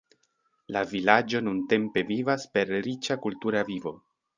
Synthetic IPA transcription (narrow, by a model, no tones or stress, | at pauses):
lavilad͡ʒo̞nunte̞mpe̞vivaspe̞ɾɾit͡ʃakultuɾavivo̞